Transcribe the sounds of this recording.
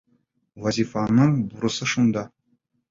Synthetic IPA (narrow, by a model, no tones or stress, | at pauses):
vazʲifanːɤɴbuɾɤ̆sɤʃund̪ɑ